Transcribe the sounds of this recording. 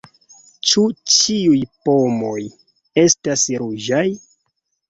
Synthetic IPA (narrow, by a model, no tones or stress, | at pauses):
t͡ʃut͡ʃiujpo̞mo̞j | e̞stasɾud͡ʒaj